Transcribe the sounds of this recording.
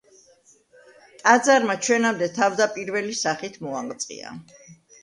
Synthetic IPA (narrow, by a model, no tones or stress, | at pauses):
t̪ʼad̪zaɾmat͡ʃʰwɛnamd̪ɛt̪ʰavd̪apʼiɾvɛlisaχit̪ʰmɔaqt̪sʼqʼḭa̰